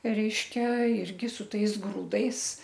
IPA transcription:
ˈrʲɛɪʃʲkʲɛ ˈɪrʲɡʲɪ sʊ ˈtɐɪs ˈɡruːdɐɪs

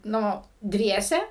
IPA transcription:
ˈnʊ ˈdʲʋʲiɛsʲɛ

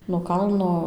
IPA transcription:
noː ˈkɐlˠnoː

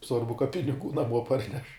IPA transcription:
ˈsʋɐrbʊ kɐ pʲɪnʲɪˈɡuː nɐˈmuɔ ˈpɐrʲnʲɛʃ

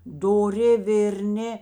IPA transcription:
doːˈrʲɪ ʋʲeːrʲˈnʲɪ

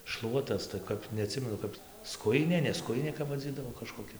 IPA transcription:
ˈʃlˠuɔtɐs tɐɪ ˈkɐp nʲɛɐˈtʲsʲɪmʲɛnʊ ˈkɐp ˈskʊjɪnʲeː nʲɛ ˈskʊjɪnʲeː kɐp ʋɐˈd͡zʲiːdɐʋoː kɐʃkoːˈkʲɛ

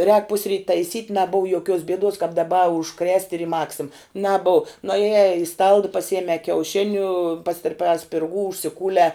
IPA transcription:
rʲɛːk ˈpʊsʲrʲiːt tɐɪˈsʲiːtʲ nɐˈboːw joːˈkʲuɔs bʲiɛˈduɔs kɐp dɐˈbɐ ʊʃ krʲɛsʲtʲ ɪr ɪ ˈmɑːksʲɪm nɐˈbʊʊ nʊɐˈjɛː ɪ stɐlˠt pɐˈsʲɪjɛmʲɛː kʲɛʊˈʃʲɪnʲʊ pɐsʲtʲɪrʲˈpʲɛː sʲpʲɪrˈɡuː ʊʃʲsʲɪˈkuːlʲɛː

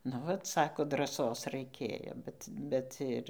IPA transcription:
nʊ ˈʋɐt ˈsɑːkoː drɐˈsoːs rɐɪˈkʲeːjoː ˈbʲɛt ˈbʲɛt ɪr

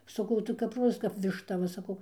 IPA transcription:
sɐˈkɐʊ tɐɪ kɐp ˈroːzɐs kɐp ʋʲɪʃˈtɐ ˈʋɐ sɐˈkɐʊ

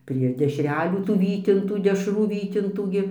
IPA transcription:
pʲrʲiɛ dʲɛʃʲˈrʲæːlʲuː tuː ˈʋʲiːtʲɪntuː dʲɛʃˈruː ˈʋʲiːtʲɪntuː ɡʲɪ

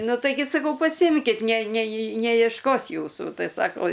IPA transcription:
ˈnʊ tɐɪˈɡʲɪ sɐˈkɐʊ pɐˈsʲɪmʲkʲɪt nʲɛ nʲɛjɪ nʲɛjiɛʃˈkoːs ˈjuːsuː ˈtɐɪ ˈsɑːkoː

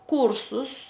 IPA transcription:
ˈkuːrsʊs

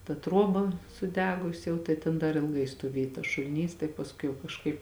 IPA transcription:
tɐ ˈtruɔbɐ sʊˈdʲæːɡʊsʲɪ jɛʊ tɐɪ ˈtʲeːn dɐr ɪlˠˈɡɐɪ stoːˈʋʲeːj tɐs ʃʊlʲɪˈnʲiːs tɐɪ pɐsˈkʊɪ jɛʊ kɐʃˈkɐɪp

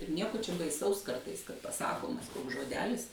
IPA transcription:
ɪr ˈnʲiɛkoː t͡ʃʲɛ bɐɪˈsɐʊs ˈkɐrtɐɪs pɐˈsɑːkoːmɐs ˈkoːks ʒoːˈdʲæːlʲɪs

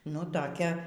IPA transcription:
nʊ toːˈkʲɛ

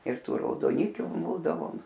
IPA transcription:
ɪr ˈtuː rɐʊdoːˈnʲɪkʲʊ ˈbuːdɐʋoːm

